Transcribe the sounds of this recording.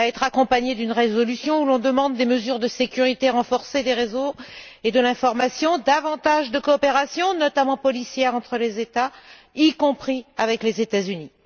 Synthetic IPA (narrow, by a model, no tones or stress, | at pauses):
aɛt̪χakɔ̃paɲed̪ynʁezɔlysjɔ̃ulɔ̃d̪əmɑ̃d̪ːeməzyʁd̪əsekʲyʁit̪eʁɑ̃fɔʁsed̪eʁezo | ed̪əlɛ̃fɔʁmasjɔ̃d̪avɑ̃t̪aʒd̪əkɔːpeʁasjɔ̃nɔt̪amɑ̃pɔlisjɛʁɑ̃t̪χəlezet̪a | ikɔ̃pχiavɛklezet̪azyni